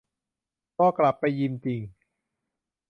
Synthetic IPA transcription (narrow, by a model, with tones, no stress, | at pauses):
kɔː˥˩kla˨˩pːa˧jːi˧nt͡ɕi˧ŋ